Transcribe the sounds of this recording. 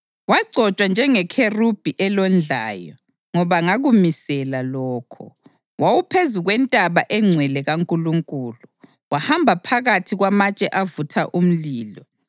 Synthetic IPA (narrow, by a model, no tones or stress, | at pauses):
waɡ͡ǀʱɔt͡ʃʼwand͡ʒʱɛŋɛkʰerub̥ʱiʔɛlɔnd͡ɮʱa̰ːjɔ̰ | ŋɔβaŋaɣumisɛlalɔːkʰɔ̰ | wawupʰezuɣwɛntʼaβaʔɛŋ͡ǀʱwɛlɛɣaŋkʼuluŋkʼuːlu | wahambʱapʰaɣatʰiɣwamat͡ʃʼɛʔavutʰaʔum̩liːlɔ